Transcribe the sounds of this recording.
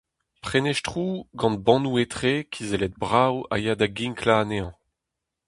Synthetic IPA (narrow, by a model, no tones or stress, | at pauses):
pχeneʃtχuːɡɑ̃nbɑ̃nuet̪χeːkʰizelɛt̪̚bʁawa̰jad̪aɡiŋkʰlaːneɑ̃